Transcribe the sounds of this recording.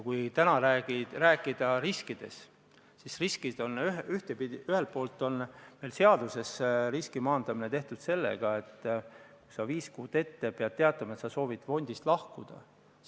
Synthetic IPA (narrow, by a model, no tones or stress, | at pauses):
jkujt̪ænɑɾæɡiræːkːˑid̪̥ɑɾiskid̪̥e̞̰s | sisriskid̪̥o̞nyyht̪epid̪iyhelt̪̚po̞ːlt̪ːˑo̞nme̞jlse̞ɑd̪use̞sriskimɑːnd̪̥ɑmine̞t̪e̞ht̪ud̪̥se̞lːe̞̰ɡ̥ɑe̞t̪ːˑku̥jsɑviːskuːd̪̥e̞t̪ːe̞peɑd̪̚t̪e̞ɑt̪ːˑɑmɑet̪sɑso̞ːvid̪̥fo̞nʲd̪ist̪lɑhkud̪̥ɑ̰